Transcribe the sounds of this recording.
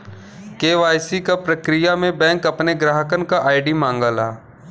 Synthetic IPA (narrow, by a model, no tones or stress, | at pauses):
keːʋaːjsikapɾəkɾɪjamẽbɛ̃ːŋkɐpneɡɾaːɦəkənkaʔaːɪɖimãːŋɡəlaː